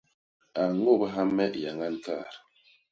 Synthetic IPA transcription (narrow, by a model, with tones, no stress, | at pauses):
a˨ŋo˦˨ba˦ɦa˦mːɛ˦ʔja˨ŋa˦n˦ka̰˦˨ɾ